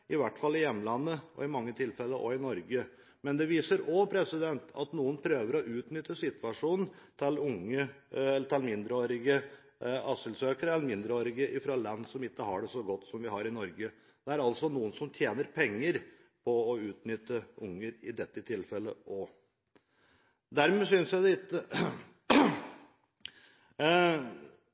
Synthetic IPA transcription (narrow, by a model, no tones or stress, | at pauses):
ʔɪʋæʈːfɑlːɪjɛmːəlɑnːəʔɔ̰ɪmɑŋːət̪ʰɪlfɛlːəʔɔ̰ɪnɔɾɡə | mɛnd̪ɛʋiːsəɾɔpʰɾɛsɪd̪ɛnt̪ɑ̰t̪nuːənpʰɾøːʋəɾɔʔʉːt̪nʏt̪ːəsɪt̪ʋɑʂuːnn̩t̪ʰɪlʊŋːəɛʈʰɛlmɪnd̪ɾəoːɾɪɡə | ɑsəlsøːkəɾəɛlːmɪnd̪ɾəoːɾɪɡəʔɪfɾoːlɑnːsɔmɪkːəɦɑɖɛsɔɡɔt̪ːsɔmʋɪɦɑɾɪnɔɾɡə | d̪̥ɛæɾɑlt̪sɔnuːənsɔmt̪ʰjeːnəɾpʰɛŋːəɾ | pʰɔɔʉːt̪nʏt̪ːəʊŋːəɾɪd̪ɛt̪ːət̪ʰɪlfɛlːəʔɔ | d̪æɾmɛːsʏnsjæɪd̪ɛlɪt̪ːə